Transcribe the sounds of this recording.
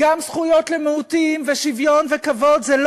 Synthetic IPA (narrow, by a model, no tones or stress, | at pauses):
amsχujo̞t̪lemehut̪imveʃivjo̞nvekavo̞d̪zel